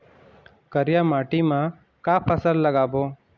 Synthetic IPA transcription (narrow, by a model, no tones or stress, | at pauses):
kəɾjamaʈimã | kaːpʰəsəlːəɡaːboː